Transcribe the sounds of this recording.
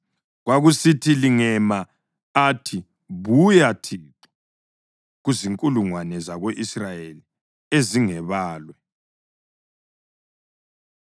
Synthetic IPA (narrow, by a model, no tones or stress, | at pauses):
ɣwaɣusitʰiliŋɛma | atʰi | βujatʰiǁɔ̥ | ɣuziŋkʼuluŋwanɛzaɣoʔisrajeli | eziŋɛβaːlwɛ